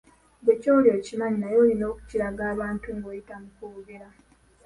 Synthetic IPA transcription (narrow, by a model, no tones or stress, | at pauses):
ɟecoːljocimaɲinajo̞ːlino̞ːku̥ciɾaɡaːβaːntuŋɡoːjitamukuɡeɾa